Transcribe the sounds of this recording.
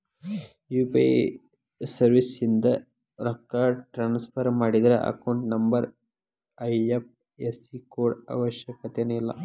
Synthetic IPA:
juːpe | sɐɾʋisind̪ɐ | ɾɐkːaːɖʈɾaːnspʰɐɾmaːɽid̪ɐɾeʔɐ̰kɐwɳʈnɐmbɐɾ | ɐjep̚ | esikoːɖɐ̰ʋɐʃjɐkɐt̪eneilːɐ̰

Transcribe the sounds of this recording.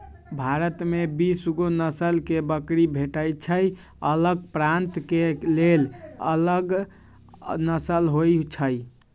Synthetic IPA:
bʱaɾət̪mebisuɡonəsəlkebəkɾibʱeʈəjt͡ʃʰəj | ələɡ̚pɾant̪kelelə̰ləɡ | nəsəlɦojt͡ʃʰəj

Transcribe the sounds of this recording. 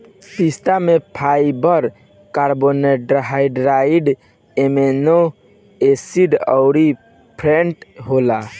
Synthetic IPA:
pist̪amepʰajbɔɾ | kaɾboneʈɾɦaiɖɾaiɖ | emeno | esiɖɔ̰wɾi | pʰɾeɳʈɦola

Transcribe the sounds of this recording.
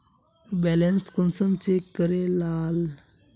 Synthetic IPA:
bɛlẽnskɔnsəmt͡ɕekːəɾelal

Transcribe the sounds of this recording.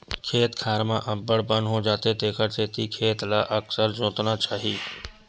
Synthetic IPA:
kʰeːt̪kʰaːɾmãʔəbəɽbə̃nɦõd͡ʒaːt̪et̪eːkʰəɾt̪eːt̪ikʰeːt̪laːʔəksəɾd͡ʒõːt̪nat͡ʃaːɦiː

